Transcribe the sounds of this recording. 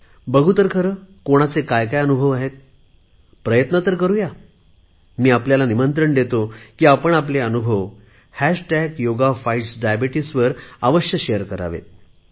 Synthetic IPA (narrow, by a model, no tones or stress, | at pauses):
bəɡʱut̪əɾkʰəɾəkoɽ̃at͡sekajkajənubʱəʋaɦet̪̚ | pɾəjət̪nət̪əɾkəɾuja | miːapljalanimənt̪ɾəɳd̪et̪okiːapəɳap̬leənubʱəʋ | hæʂʈæɡjoɡafajʈsɖajabiʈisʋəɾaʋəɕjəɕejəɾkəɾa̰ʋḛt̪̚